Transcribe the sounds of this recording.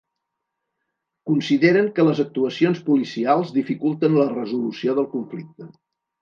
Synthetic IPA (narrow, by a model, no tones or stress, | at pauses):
kunsiðeɾəŋkələzək̚t̪uəsionspulisialˠzðifikulˠt̪ənlərəzulusioðəlˠkuɱflik̚t̪ə